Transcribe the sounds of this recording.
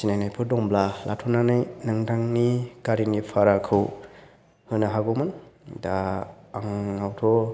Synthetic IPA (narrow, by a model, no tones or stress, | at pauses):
sinajnajpʰɯdɔŋblalʔa̰tʰɔnanajnaŋdʰaŋnikaɾinipʰaɾakʰɯw | hɯnaɦaɡɔmandaːŋːawtʰɔ